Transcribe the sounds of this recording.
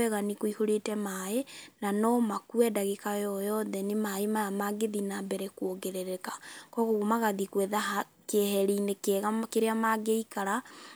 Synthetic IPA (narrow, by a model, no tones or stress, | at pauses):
ɛɣanikoihoɾetɛmaenanɔmakuɛdaɣekajɔjɔðɛnemaemaamaɡeðinabɛɾɛkwoɡɛɾɛɾɛkḁkɔɣoɣomaɣaðikwɛðaha | kehɛɾinekɣakeɾeamaɡeikaɾa